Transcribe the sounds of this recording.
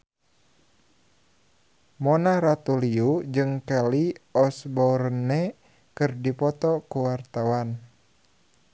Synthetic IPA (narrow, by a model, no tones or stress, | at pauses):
mɔnahɾat̪uliud͡ʒɨŋkaliɔsbɔrnɛ | kɨrdipɔt̪ɔkuwart̪awan